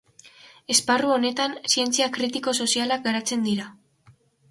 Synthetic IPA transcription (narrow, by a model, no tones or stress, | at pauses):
e̞sparuo̞ne̞t̪ansie̞nt͡siakɾit̪iko̞so̞sialak̚ɡaɾat͡se̞nd̪iɾa